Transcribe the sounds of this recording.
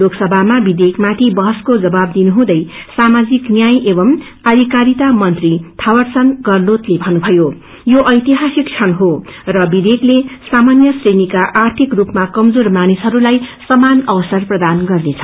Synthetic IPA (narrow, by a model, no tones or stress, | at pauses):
loksʌbʱamabid̪ekmat̪ʰibʌɦʌskod͡zʌbab̚d̪inuɦũd̪ʌjsamad͡ziknjajʔebʌm | ʌd̪ʱikaɾit̪amʌnt̪rit̪ʰawʌrsʌnɡʌrlot̪lebʱʌnubʱʌjo | joʔʌjt̪iɦasik̚t͡sʰʌnɦorʌbid̪eklesamanjʌsrenikaʔart̪ʰikrupmakʌmd͡zormanisɦʌɾulajsʌmanʌwʌsʌrprʌd̪anɡʌrnet͡sʰʌ̥